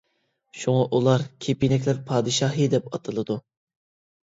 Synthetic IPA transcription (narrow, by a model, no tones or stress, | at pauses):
ʃuŋɑʔulˠɑɾkʲʰepinɛkʲlæɾpʰɑːd̪ɨʃɑɦɨd̪ɛpɑt̪ʰɨlˠɨd̪u